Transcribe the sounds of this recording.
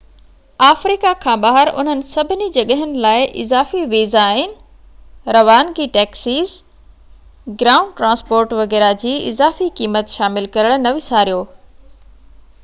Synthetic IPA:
aːfɾiːkakʰãːɓaːɦəɾʔʊ̰n̤ənɪ̆sɐbʱɪnid͡ʑɐɠəɦənɪ̆laːɪʔɪ̰zaːfiʋiːzaːɦɪnɪ̆ | ɾɐʋaːnɡiːʈɛːksiːz | ɡɾaːʊ̃ɳɖʈɾãːspoːɾʈʋɐɣɛːɾad͡ʑiːɪzaːfikiːmət̪ʃaːmɪlkɐɾəɽ̃nɐʋɪsaːɾijoː

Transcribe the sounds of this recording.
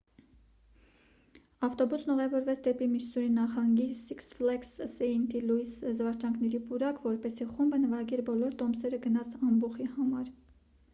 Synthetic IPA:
ɑft̪ɔbusnɔʁɛvɔɾvɛt͡sʰd̪ɛpimit͡ʃsuɾinɑχɑŋɡisiksflɛkssɛint̪ilujszvɑɾt͡ʃɑŋkʰnɛɾipuɾɑkvɔɾpɛsiχumbənəvɑɡɛɾbɔlɔɾt̪ɔmsɛɾəɡənɑt͡sʰɑmbuχihɑmɑɾ

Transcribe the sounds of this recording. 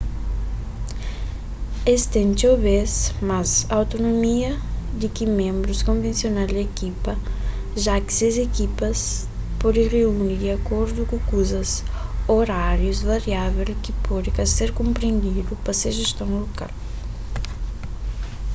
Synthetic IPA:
est̪ẽnt͡ʃoβesmazawt̪onomiɐd̪ikimẽmbɾuskõɱvẽnsjonazd̪ekipɐ | ʒakɪ̥sezekipɐs | pɔd̪ĩreunid̪iakoɾd̪ukukuzɐz | oɾaɾjuzvaɾjavelkipɔd̪ikaseɾkõmpɾẽnd̪id̪upɐseʒest̪õŋloka̰l

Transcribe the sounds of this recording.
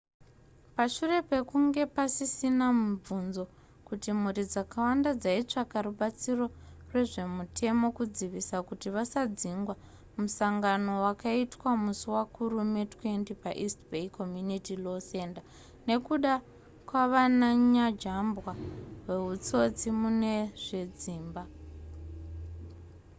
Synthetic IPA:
paʃure̞pe̞kuŋɡe̞pasisinamub͡vunzo̞ | kutimuɾid͡zakawandad͡zait͡ʂakaɾuɓat͡siro̞rwe̞ʐe̞mutʰe̞mo̞kud͡ziʋisakutiʋasad͡ziŋɡwa | musaŋɡano̞wakaitwamusuwakuɾume̞twe̞ntipaʔistbeiko̞mjunitilo̞se̞nda | ne̞kuɗa | kwaʋanaɲad͡ʒambwawe̞ɦut͡so̞t͡simune̞ʐe̞d͡ziːmba

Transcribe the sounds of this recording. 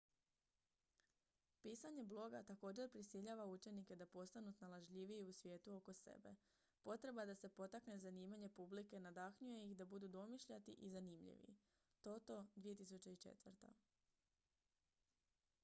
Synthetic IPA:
piːsaɲe̞blˠo̞ɡat̪ako̞ːd͡ʑe̞ɾpɾisiʎaʋaut͡ʃe̞nike̞d̪apo̞st̪anut̪nalˠaʒʎiʋiiusʋje̞ːt̪uo̞ko̞sḛbe̞ | po̞t̪ɾe̞bad̪ase̞po̞t̪akne̞zaniːmaɲe̞publike̞nad̪akɲuje̞jixd̪abud̪ud̪o̞miʃʎat̪ḭʔizanimʎḭʋḭ | t̪o̞t̪o̞d̪ʋije̞t̪isut͡ɕe̞it͡ʃe̞̰t̪ʋəɾt̪a̰

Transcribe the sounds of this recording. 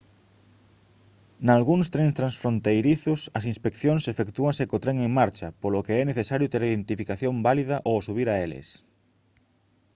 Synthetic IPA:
nalɣuŋst̪ɾenst̪ɾansfɾont̪ejɾiθʊsɐs̬ĩnspekθjoŋsefekt̪uɐŋsekot̪ɾeŋeŋmaɾt͡ʃɐpolokeɛneθesaɾjʊt̪eɾiðent̪ifikaθjombaliðɐʔosuβ̞iɾaelɪ̰s

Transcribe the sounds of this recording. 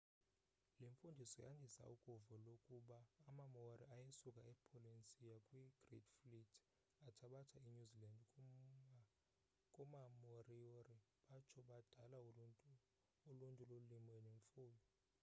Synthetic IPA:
leɱfundʱisɔjandʱisa̰ukʼuvɔlokʼuɓaːmamoriajesukʼaɛpʰolint͡sʼijakʼwiɡ̥ridflitʰ | atʰaɓatʰaiɲuziland | kʼɔmamorioriɓat͡ʃʰɔɓad̥ʱala | uluntʼululimwɛneɱfuːlɔ

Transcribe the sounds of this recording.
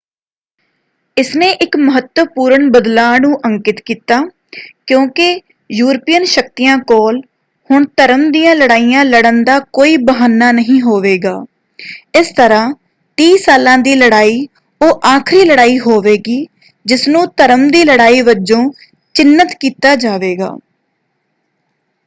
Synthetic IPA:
ɪsnẽːʔɪkməɦət̪wəpuːɾəɳbəd̪laːnũːʔəŋkɪt̪kiːt̪aː | kjõːkɪ | juːɾpijənʃəkt̪ijãːkɔːl | hʊɳt̪əɾəmd̪ijãːləɽaːiːjãːləɽənd̪aːkoːiːbəɦaːnːaːnəɦĩːɦoːʋeːɡaː | ɪst̪əɾãː | ʈiːsaːlãːd̪iːləɽaːiː | oːʔaːkʰɾiːləɽaːiːɦoːʋeːɡiː | d͡ʒɪsnũːt̪əɾəmd̪iːləɽaːiːʋəd͡ʒõː | t͡ʃɪnːət̪kiːt̪aːd͡ʒaːʋeːɡa̰ː

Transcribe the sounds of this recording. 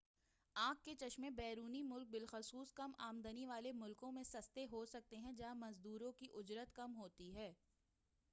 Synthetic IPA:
ãːkːet͡ʃɐʃmẽbɛːɾuːnimʊlk̚bɪlxʊsuːskɐmaːmd̪əniʋaːlemʊlkõmẽsɐst̪eɦosɐk̚t̪eɦɛ̃d͡ʒaːmɐzd̪uːɾõkiʔʊd͡ʒɾət̪kɐmɦoːt̪iɦɛː

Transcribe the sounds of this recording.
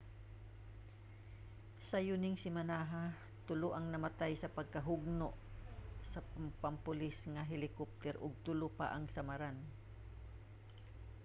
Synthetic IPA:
sɐjʊnɪŋsɪmanaːɦa | t̪ʊloʔɐŋnɐmat̪ajsɐpɐɡ̚kɐɦʊɡ̚noʔsɐpampʊlɪsŋɐɦɪlɪkop̚t̪ɛɾʔʊɡ̚t̪ʊlʊpa̰ʔɐŋsɐmaɾan

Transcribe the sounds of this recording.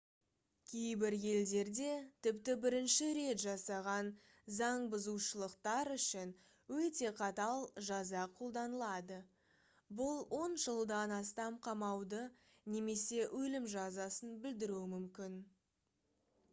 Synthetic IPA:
kʲʰejbɪɾje̞ld̪e̞ɾd̪e̞t̪ʰɪpt̪ɪbɪɾɪnʃɪɾe̞t̪ʒɑsɑʁɑn | zɑɴbʊzuʃəlˠəqt̪ɑɾʏʃɪn | wɵt̪e̞qʰɑt̪ɑlˠʒɑzɑqʰo̞lˠd̪ɑnəlˠɑd̪ə | bʊlˠwo̞nʒəlˠd̪ɑnɑst̪ɑmqʰɑmɑwd̪ə | ne̞me̞se̞ʔɵlɪmʒɑzɑsənbɪld̪ɪɾuɪmʏmkʲɪn

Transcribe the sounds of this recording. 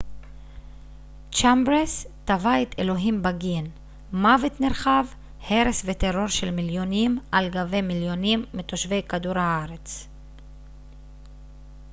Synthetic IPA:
t͡ʃambʁest̪avaet̪elo̞ɦimbaɡin | mavet̪neʁχav | he̞ɾesvet̪eʁo̞ʁʃelmiljo̞nimʔalɡave̞miljo̞nimːit̪oʃve̞jkad̪uɾhaaʁet͡s

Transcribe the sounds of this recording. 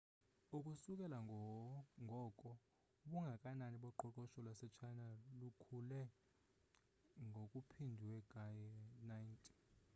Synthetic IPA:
ukʼusukʼɛla | ŋʱɔkʼɔ | ɓuŋɡʱakʼananiɓɔǃɔǃɔʃɔlwasɛt͡ʃʰajnalukʰulɛ | ŋɡʱokʼupʰindʱiwɛɡ̥ʱajnajntʼi̥

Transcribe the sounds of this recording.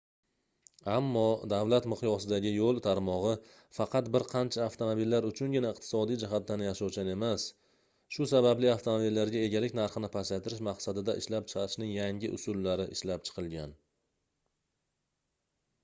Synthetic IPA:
amːɒd̪avlat̪mɨqjɒsɪd̪aɡʲɪjolˠt̪ʰaɾmɒʁɨ | fɑqʰɑt̪bɪɾqʰɑnt͡ʃʰaːft̪ʰomobilːaɾʊt͡ʃʰʊnɡʲɪnaɪqt̪ʰɪ̥sɒd̪ijd͡ʒɪɦat̪̚d̪anjaʃɒwt͡ʃane̞mas | ʃʊsabablɪaft̪ʰomobilːaɾɡʲae̞ɡʲalɪk̚ʲnaɾχɨnɪpʰasat̪ʰɪɾɪʃmɑqsad̪ɪd̪aʔɪʃlap̚t͡ʃʰɨ̥qʰɑɾɪʃnɪŋjaŋʲɪʔʊ̰sʊlːaɾɪʔɪʃlap̚t͡ʃʰɨ̥qʰɨlˠɡʲan

